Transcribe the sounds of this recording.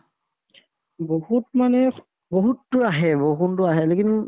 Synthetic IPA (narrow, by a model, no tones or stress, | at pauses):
bohutmanɛ | boɦutːʊaɦɛboɦuntʊaɦɛlekin